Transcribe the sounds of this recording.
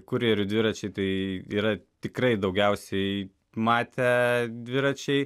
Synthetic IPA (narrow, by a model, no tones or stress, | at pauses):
kʊɾʲeːɾʲʊd̪ʲʋʲɪɾɐt͡ʃʲɛɪt̪ɐɪiːɾɐt̪ʲɪkɾɐɪd̪ɐʊɡʲɛʊsʲɛɪ | mɑːt̪ʲɛd̪ʲʋʲɪɾɐt͡ʃʲɛɪ